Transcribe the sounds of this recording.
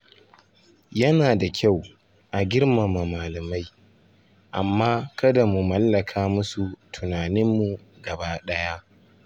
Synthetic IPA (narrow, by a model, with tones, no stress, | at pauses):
jɐ˦naː˨da˨kʲa˦˨w | ʔa˨ɡʲɪ˦ɽma˨ma˨maː˨lɐ˨ma˦j | ʔa˨mːaː˦kɐ˦da˨mu˨mɐ˦lːɐ˨kʰaː˦mʊ˦su˨tʰʊ˨naː˨nɪ˦mːu˨ | ɡɐ˨baː˦ɗɐ˦ja˦ʔ